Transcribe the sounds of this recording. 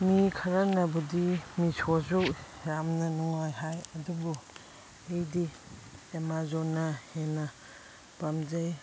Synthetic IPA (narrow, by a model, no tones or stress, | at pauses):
mikʰaɾanabudimisʰɔzu | ɾamnanuŋajhajadubu | ejdi | emazɔnahena | pamzaj